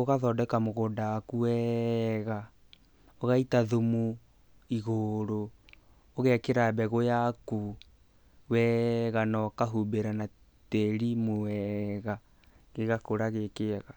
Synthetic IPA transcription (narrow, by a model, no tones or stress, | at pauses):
oɣaðɔdɛkamoɣoːndawakuwɛɣa | oɣaitaðomu | iɣoɾo | oɣɛkeɾabɛɣojaku | wɛɣanɔkaɦubeɾana | tɛɾimowɛɣa | ɣeɣakoɾaɣekeɣa